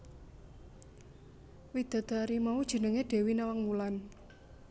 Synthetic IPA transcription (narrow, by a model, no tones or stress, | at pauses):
wid̪̥a̤d̪̥a̤ɾimaud̥ʒ̥ə̤nəŋeɖ̪̥e̤winawaŋmulan